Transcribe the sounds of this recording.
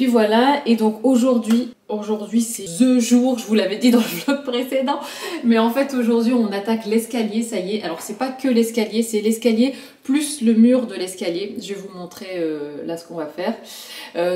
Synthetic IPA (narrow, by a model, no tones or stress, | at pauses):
epivwalaed̪ɔ̃koʒuʁd̪ɥi | oʒuʁd̪ɥisɛzøʒuːʁʒəvulavɛd̪id̪ɑ̃lʒɔkpχesed̪ɑ̃mɛɑ̃fɛt̪oʒuʁd̪ɥiɔ̃nat̪aklɛskaljesajeʔalɔʁsɛpakəlɛskaljesɛlɛskalje | plysləmyʁd̪əlɛskaljeʒvevumɔ̃t̪χeølasə̥kɔ̃vafɛːʁ | ø